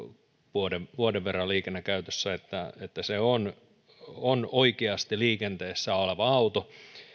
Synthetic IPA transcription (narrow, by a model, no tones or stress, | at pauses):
ʋuodeʋʋuodeʋʋerːɑliːkenːekæyt̪øsːæet̪ːæet̪ːæseon | onoikeɑst̪iliːkent̪eːsːæːoleʋɑɑut̪o